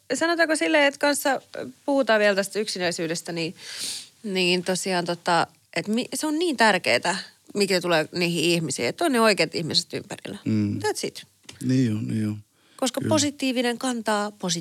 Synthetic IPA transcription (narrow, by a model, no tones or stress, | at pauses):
sɑnot̪ɑːkosilːeːet̪kɑnsːɑpuhut̪ɑːʋiælt̪æst̪yksinæisyːdest̪æniː | niːnt̪osiɑːnt̪ot̪ːɑ | ʔet̪miseonniːnt̪ærkḛːt̪æ | mikset̪uleːniːhiihmisḭːet̪ːonneoikeːt̪ihmiset̪y̰mpæ̰rḭlːˑæt̪æt̪sit̪ | niːniːo | koskɑposit̪ːˑiːʋineŋkɑnt̪ɑːposi